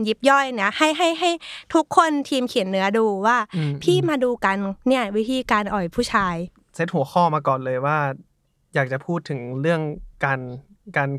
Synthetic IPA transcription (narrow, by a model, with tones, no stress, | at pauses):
ji˦˥p̚jɔ˥˩jna˦˥ha˥˩jɦa˥˩jɦa˥˩jt̪ʰu˦˥kʰːo˧nt̪ʰiː˧mkʰi˨˩˦ənːɯ˨˦ɐduː˧waː˥˩pʰiː˥˩maː˧duː˧ka˧nːi˥˩ɐwi˦˥t̪ʰiː˧kaː˧nʔɔː˨˩jpʰuː˥˩t͡ɕʰaː˧j | se˦˥t̪̚hu˩˦ɐxʰɔː˥˩maː˧kɔː˨˩nlɤː˧jwaː˥˩ | jaː˨˩k̚t͡ɕa˨˩pʰuː˥˩t̪ʰːɯ˩˦ŋɾɯ˥˩əŋkaː˧n | kaː˧n